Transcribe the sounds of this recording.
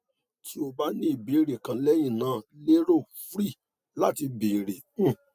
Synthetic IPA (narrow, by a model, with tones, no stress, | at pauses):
tʰi˦o˧ba˦nĩ˦i˨be˨˦ɾe˨kã˨˦lɛ˦jĩ˦˨nã˨˦le˦ɾo˦˨fɾi˦˨ | la˦ti˧be˨ɾe˨˦˨